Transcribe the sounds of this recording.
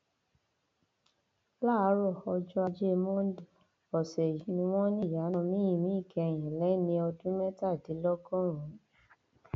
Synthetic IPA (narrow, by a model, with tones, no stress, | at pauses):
la˦˨˦ɾɔ˦˨ɔ˧d͡ʒɔ˧a˧d͡ʒe˦˧mɔ̃˦˨ | ɔ˨sɛ˨nĩ˧w̃ɔ̃˦nĩ˦˨ja˨˦nɔ̃˧mĩ˦ĩ˦˨mĩ˨˦i˦˨kɛ˨˧˨j̃ɛ̃˨lɛ˨˦nĩ˧ɔ˧dũ˦mɛ˦ta˦˨di˨˦lɔ˦ɡɔ̃˦ɾ̃ũ˨˦